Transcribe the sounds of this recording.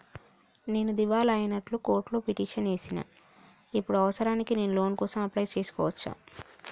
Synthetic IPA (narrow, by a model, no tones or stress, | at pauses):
ne̞ːnud̪iʋaːlɐjinɐʈluko̞ːɾʈloːpiʈiːʂɐne̞ːsina̰ː | ipːuɽuɐʋɐsɐɾaːnikine̞ːnulo̞ːnkɔːsɐmɐplɐjt͡ʃe̞ːsu̥kɔːʋɐt͡ʃːa̰ː